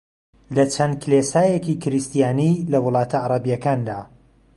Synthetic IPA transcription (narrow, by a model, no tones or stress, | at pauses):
lɐt͡ʃʰɐnd̪̚kʰlesaːjecikʰɪɾist̪ijaːnilɐwʊlˠɑːt̪ʰɐʕaɾˤɑbijɐkaːnd̪a̰ː